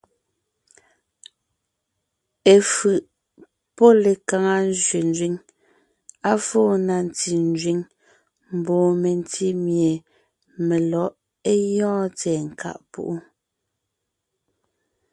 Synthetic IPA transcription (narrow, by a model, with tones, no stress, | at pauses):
e˨fɯ˨ʔ | pɔ˦le˨ka˨ŋa˦n˦d͡ʒɥe˨n˦d͡ʒɥi˦ŋ | a˦fɔː˦˨na˨n˨ti˨n˦d͡ʒɥi˦ŋ | m̩˨bɔː˨me˨n˦ti˦mje˨ | me˨lɔ˨˦ʔ | e˦jɔ̃ː˦t͡sɛː˨ŋ̩˨kʰa̰˦˨ʔpṵ˦˨ʔu˦